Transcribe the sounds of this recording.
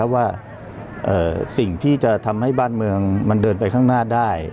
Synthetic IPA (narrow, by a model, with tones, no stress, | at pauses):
a˦˥waː˥˩ | ʔɤː˨˩si˨˩ŋt̪ʰiː˥˩t͡ɕa˨˩t̪ʰa˧mha˥˩jbaː˥˩nmɯ˧əŋma˧ndɤː˧npa˧jkʰaː˥˩ŋnaː˥˩daː˥˩j